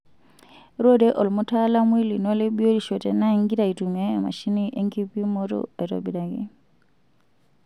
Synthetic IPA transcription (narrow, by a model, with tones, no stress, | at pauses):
ɾɔ˦dɛ˦ʔɔ˨lmu˦tʰa˦la˦mwi˦li˨nɔ˦lɛ˦ɓi˦o˦ɾi˨ʃɔ˨tɛ˨na˦i˦ŋɡi˦ɾa˨i˨tu˨mia˦a˨ma̰˨ʃi˦ni˦ʔɛ˦ŋɡi˦pi˦mɔ˦tɔ̰a˨i˨tɔ̰˨bi˨da˨kḭ˨